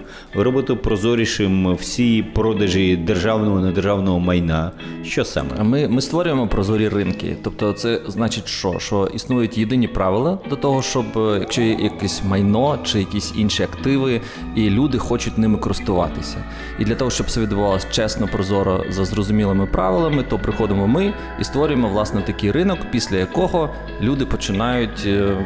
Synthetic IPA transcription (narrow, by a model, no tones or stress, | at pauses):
ɾɔbɪt̪ɪpɾɔzɔɾʲiʃɪmwsʲijipɾɔd̪ɐʒid̪erʒɑwnɔɦɔnɐd̪erʒɑwnɔɦɔmɐjnaʃt͡ʃɔsɑ̰mɛ̰mɪmɪst̪ʋɔɾʲʊjemɔpɾɔzɔɾʲirɪnkɪ̰t̪ɔp̚t̪ɔt̪sɛznɑt͡ʃɪtʲʃt͡ʃɔ̰ʃɔʔisnujʊtʲjed̪ɪnʲipɾɑʋɪlˠɐd̪lɐt̪ɔɦɔʃt͡ʃɔbjɐkʃt͡ʃɔjɛjɐkɛsʲmɐjnɔt͡ʃɪjɐkʲisʲinʃiɐkt̪ɪʋɪ | ilʲud̪ɪxɔt͡ʃʊtʲnɪmɪkɔɾɪst̪ʊʋɑ̰t̪ɪsʲɐ̰ | id̪lʲɐt̪ɔɦɔʃt͡ʃɔbsʋʲid̪ʊʋɑlˠɐsʲt͡ʃɛsnɔpɾɔzɔɾɔ̰zɐzrɔzʊmʲilˠɪmɪpɾɑ̰ʋɪlˠɐmɪt̪ɔpɾɪxɔd̪ɪmɔmɪ | ist̪ʋɔɾʲʊjemɔʋlˠɑsnɛt̪ɐkɪjrɪnɔkpʲisʲlʲɐjɐkɔɦɔ | lʲud̪ɪpɔt͡ʃɪnɑjʊtʲ